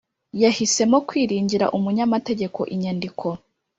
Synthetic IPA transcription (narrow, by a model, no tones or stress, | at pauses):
jahise̞mo̞kwiːɾiːɲɟiɾa̰ʔumuɲamate̞ɟe̞kʰo̞̰ʔiɲandikʰo̞